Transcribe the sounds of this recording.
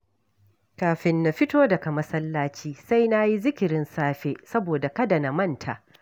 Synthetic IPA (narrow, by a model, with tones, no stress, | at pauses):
kaː˨ɸɪ˨nːa˨ɸɪ˦toː˦dɐ˨ka˨mɐ˦sɐ˦lːaː˦t͡ʃiː˦sa˦jna˦ji˦zɪ˦kʲɪ˨ɾɪ˦nsaː˦ɸeː˦ʔsɐ˦boː˨da˨kɐ˦dɐ˨na˨mɐ˦˨ntʰa̰˨ʔ